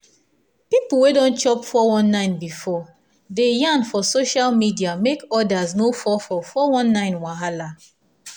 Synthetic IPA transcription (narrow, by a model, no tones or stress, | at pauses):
pipul̩wedɔ̃nt͡ʃɔpfɔwɔ̃nːãɪ̃nbifɔ | dejãnfɔsoʃalmidiamekɔdaznofɔfɔfɔwɔ̃nːãɪ̃nwaɦala